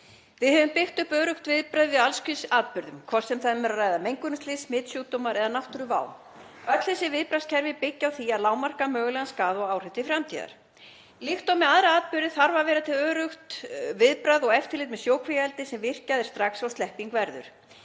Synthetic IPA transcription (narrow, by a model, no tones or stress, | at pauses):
vɪðhɛvʏmpɪxt̪ʏhpœːɾʏxt̪vɪðpɾajðvɪðalskʏsaːðt̪pʏɾðʏmkʰvɔr̥sɛmθamɛɾaraːjðamejŋkʏnʏst̪lɪsmɪːt̪sjuːt̪ɔmaɾʔɛðanaht̪ʏɾʏva̰ːw | œt̪lθɛsːɪvɪðpɾascʰɛɾvɪpɪcːawθiaðlaːwmar̥kamœːɣʏlɛɣanskaːðɔɣaːwr̥ɪt̪ɪfɾamt̪ʰiːða̰ɾ̥ | lixt̪omɛaðɾaaːt̪̚pʏɾðɪθaɾvavɛːɾat̪ʰɪlœːɾʏxt̪vɪðpɾajðɔɣɛft̪ɪɾlɪːt̪mɛðsjoːwkʰvijaɛlt̪ɪsɛmvɪr̥caðɪɾ̥st̪ɾaksawst̪ɛhpiŋkvɛɾðʏ̰ɾ̥